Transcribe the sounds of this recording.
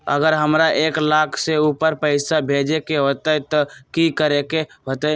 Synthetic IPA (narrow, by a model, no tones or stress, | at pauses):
ə̰ɡəɾɦəmɾaʔeklakʰseupəɾpəɪsabʱed͡ʒekeɦot̪ət̪ɔkikəɾekeɦot̪ə